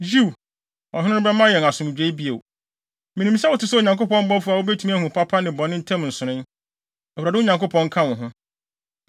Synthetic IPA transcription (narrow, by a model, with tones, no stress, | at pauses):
d͡ʑu˦˨ | ɔ˨ɦɪ̃˦nʊ̃˦nʊ̃˦bɛ˦mã˦jɛ˨n˨a˨sʊ̃˨m˨d͡ʑᶣe˨˦i˦bi˦e˨ | mɪ̃˨nĩ˨m˦sa˦wʊ˨tɪ˦sɛ˦o˨ɲã˨ko˦pɔ̃˦m̩˦bɔ˦fu˦˨a˨wo˦bɛ˦tʰu˦mĩ˦æ˦hũ˨pʰa˦pʰa˦nɪ̃˨bɔ̃˨nɪ̃˦tʰɛ̃˦mn̩˨sʊ̃˨ɾɪ̃˦n | ɔ˨wuɾa˨dɪ˦ʊ˦ɲã˨ŋko˦pʰɔ̃˦ŋ̩˦kʰã˦wʊ̃˨ɦʊ̃˦